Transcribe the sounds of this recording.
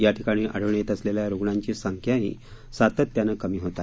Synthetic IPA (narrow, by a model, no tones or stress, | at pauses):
jaʈ̪ʰikaɽ̃iːʔəɽ̤əʋɳjet̪əsleljaɾoɡɳaɲt͡ɕiːsəŋkʰjaɦḭː | sat̪ət̪ːjanəkəmiːɦot̪a